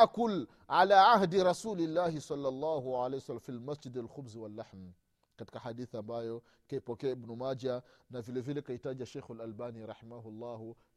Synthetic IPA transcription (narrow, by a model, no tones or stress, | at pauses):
ʔakʊl | ʕalaːʕahdiɾɑsulilːaːhisɑlːɑlˤːɑːɦuwʕalejsalamfilmasd͡ʒidalxʊbzwalːaħm | kati̥kaħadiθambajɔ | kaipɔkɛaibnumad͡ʒanavilɛvilɛkaitad͡ʒaʃɛjxalalbaːniɾˤɑħimaɦʊlˤːɑːhu